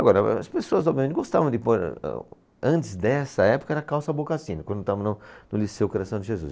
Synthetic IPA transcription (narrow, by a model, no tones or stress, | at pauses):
aɡɔɾɐ̰ɐ̰spesoɐzɔbviɐmẽnt̪ɪɡost̪avɐ̃d̪ɪpoɾɛ̰ | ɐ̃nt̪ɪzd̪ɛsɐɛpo̥kɐɛɾɐkawsabokasĩnʊkwɐ̃d̪ʊt̪avɐnʊnʊlisewkoɾasɐ̃d̪ɪʒezṵs